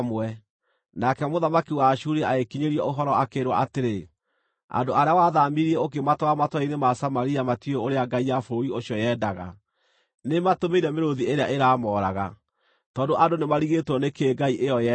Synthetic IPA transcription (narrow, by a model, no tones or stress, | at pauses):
mwɛ | nakɛmoðamakiwaʃuɾɛaekiɲeɾiɛoɦɔɾɔakeɾwa̰ʔateɾe | a̰ndoaɾeawaðamiɾiɛok̬ematɔamatɔinemasamaɾiamatiooɾeaɡaijafoioɕjɔjɛdaɣa̰ | nematomeiɾɛmeɾoðieɾeaʔeɾaːmɔɾaɣa | tɔːdoʔandonemaɾiɣetwɔnekeːɡaiʔejɔjɛ